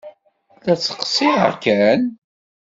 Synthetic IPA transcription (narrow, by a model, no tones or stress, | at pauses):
læt͡sːə̥qsˤiə̰kːæn